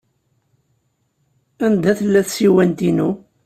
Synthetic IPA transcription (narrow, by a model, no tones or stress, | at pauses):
ænd̪æθəlːæθsiwænt̪inu